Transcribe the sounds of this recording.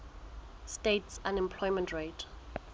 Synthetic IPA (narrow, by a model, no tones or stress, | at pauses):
stetsãnɛ̃mpʰl̥ɔɪmə̃ntɹet